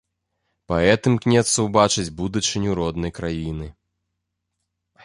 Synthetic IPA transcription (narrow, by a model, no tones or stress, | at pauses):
pɐɛt̪ɨmknʲɛt̪sɐwbat͡ʂɨd͡zʲbud̪ut͡ʂɨnʲuɾɔd̪nɐjkɾajinɨ